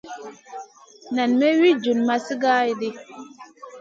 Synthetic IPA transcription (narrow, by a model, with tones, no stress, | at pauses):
na˨nme˦wi˦d͡ʒu˨nma˦si˦ɡa˦i˨di˦